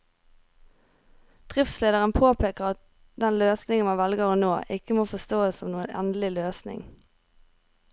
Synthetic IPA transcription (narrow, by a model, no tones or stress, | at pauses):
d̪̥ʁɪftsleːd̪əʁənpʰoːpʰeːkəʁɑt̪̚ | d̪ɛnløːsnɪŋənmɑnʋɛlɡəʁɔnoːʔɪkəmoːfɔst̪oːəsɔmnuːənɛ̰nd̪lɪløːsnɪ̰ŋ